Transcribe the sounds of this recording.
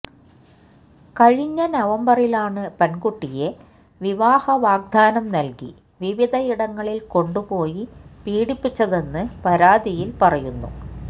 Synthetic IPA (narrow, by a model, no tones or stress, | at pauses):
kɐɻiɲːɐnɐʋɐmbɐrilaːɳɨpɐnɡuʈːije̞ | ʋiʋaːhɐʋaːɡ̚d̪ʱaːnɐmnɐlkḭ | ʋiʋid̪ʱɐiɽɐŋːɐɭilko̞ɳɖupo̞ːjipiːɽipːit͡ɕːɐðe̞nːɨpɐɾaːd̪ʱijilpɐrɐjunːṵ